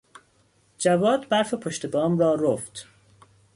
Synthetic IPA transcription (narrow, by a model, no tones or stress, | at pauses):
d͡ʒævɒːd̪bæɾfepʰoʃt̪e̞bɒːmrɒːɾoft̪